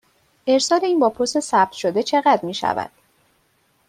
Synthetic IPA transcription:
ʔe̞ɾsɒːle̞iːnbɒːpʰost̪esæb̚t̪ʰʃo̞d̪e̞t͡ʃʰe̞ɣæd̪ɾmiːʃæ̰væ̰d̪̥

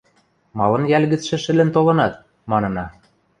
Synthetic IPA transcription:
mɑlɤ̆njælʲɣɘ̆t͡sʃɘ̆ʃɘ̆lɘ̆nt̪olɤ̆nɑt̪̚ | mɑnɤ̆nɑ

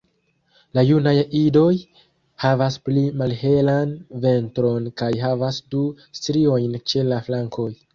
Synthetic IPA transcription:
lajunajido̞j | havasplimalɦe̞lanve̞ntɾo̞nkajɦavasdu | stɾio̞jnt͡ʃe̞laflaŋkʰo̞j

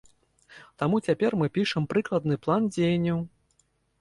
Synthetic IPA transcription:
t̪amut͡sʲapʲɛrmɨpʲiʂɐmpɾɨklˠɐd̪̚nɨplˠand͡zʲejnʲːɐw

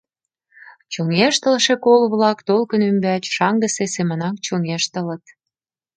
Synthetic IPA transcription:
t͡ɕoŋeʃt̪əlʃekolβlɑkt̪olkənymbæt͡ɕʃɑŋɡəsesemə̆nɑk̚t͡ɕoŋeʃt̪ə̆lə̆t̪

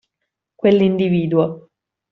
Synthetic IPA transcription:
kwelːind̪iviːd̪ua

